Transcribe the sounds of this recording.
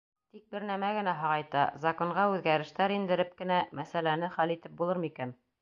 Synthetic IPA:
t̪ik̚bɘɾnæmæɡɘ̆næɦɑʁɑjt̪ɑ̰zɐkoɴɢɑʉðɡæɾɘ̆ʃt̪æɾind̪ɘ̆ɾɘp̚kɘ̆næmæsælænɘχælit̪ɘp̚bulˠɤɾmikæn

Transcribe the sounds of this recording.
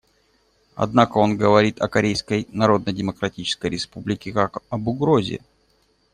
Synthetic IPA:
ɐ̰d̪nakəo̞nɡəvɐɾʲit̪ɐkɐɾʲejskəjnɐɾo̞d̪̚nədʲɪməkɾɐtʲit͡ɕɪ̥skəjɾʲɪspublʲɪkʲɪkakɐbʊɡɾo̞zʲɪ̰

